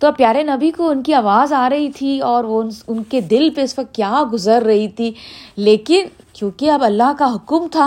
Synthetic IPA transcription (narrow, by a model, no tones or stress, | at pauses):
t̪opjaːɾenɐbikoʊnkiaːʋaːzaːɾɐɦit̪ʰiɔːɾonʊnked̪ɪlpeʊsɐkt̪̚kjaːɡʊzəɾːɐɦit̪ʰileːkɪnt͡ʃõːkiɐbɐlːaɦkaɦʊkmt̪ʰaː